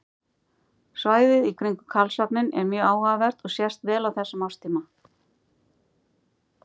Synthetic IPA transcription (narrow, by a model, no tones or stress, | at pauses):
svaːjðɪðikʰɾiŋkʏkʰalsapnɪnɛɾmjœːɣaːwɣavɛɾ̥t̪ɔɣsjɛst̪vɛːlawθɛsːamaw̥st̪ʰiːma